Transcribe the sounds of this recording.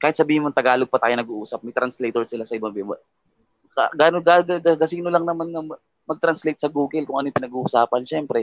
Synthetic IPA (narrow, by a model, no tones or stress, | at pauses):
kaːhɪt̪sɐbiːhɪnmont̪ɐɡaːloɡ̚pɐt̪aːjonɐɡuʔuːsɐp̚mɐjt̪ɾɐnslejt̪oɹsɪlasɐʔɪbɐbɛmɐ | kaɡaːnoɡaɐɡɐɡɐsiːnolɐŋnɐmanŋɐ | mɐɡ̚t̪ɾɐnslejt̪̚sɐɡuːɡɛlkʊŋʔɐnojpɪnɐɡuːhusaːpɐnʃɛmpɾɛ